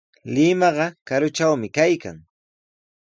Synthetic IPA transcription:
lɪmɑɢɑkaɾʊt͡ʃawmɪkajka̰ŋ

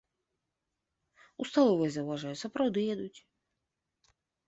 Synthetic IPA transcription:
ust̪alˠɔvɛzɐwvaʐajusɐpɾawd̪ɨjɛd̪ut͡sʲ

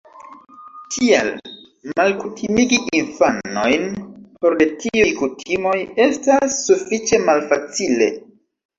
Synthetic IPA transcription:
tʰia̰l | malkutʰimiɡiʔinfanno̞jnpo̞ɾdetiujkutʰimo̞je̞stasːufit͡ʃe̞malfat͡sile̞̰

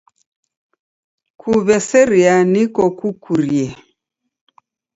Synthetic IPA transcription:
kʰuβɛsɛɾianikɔkukʰuɾiɛ

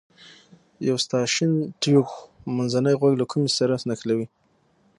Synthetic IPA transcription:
jawst̪ɑʃɪnʈikmanzanəjɣwaɡlakʰumesaɾasnaxlawi

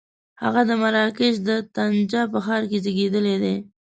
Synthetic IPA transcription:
ha̰ɣad̪əmaɾɑkɪʃd̪ət̪and͡ʒɑpəxɑɾked͡ʒəɡed̪əled̪e

